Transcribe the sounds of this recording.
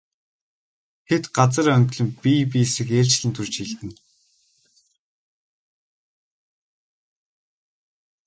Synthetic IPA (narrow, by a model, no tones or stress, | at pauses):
t̪ʰet̪ɢat͡sə̆ɾːœŋt̪̆ʲɮɵ̆mpʲipiːsɘ̆xeːɮt͡ɕɮɘ̆nt̪ʰɵrt͡ɕxiɮt̪ɘ̆n